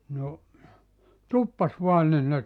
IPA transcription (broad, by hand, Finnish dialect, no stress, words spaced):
no tupːɑs ʋoɑn nin ne